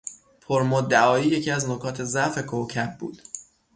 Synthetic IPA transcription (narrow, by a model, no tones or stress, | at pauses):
pʰoɾmod̪æɒːjiːje̞cʰiæznokʰɒːt̪ʰe̞zæfe̞kʰocʰæbbṵːd̪̥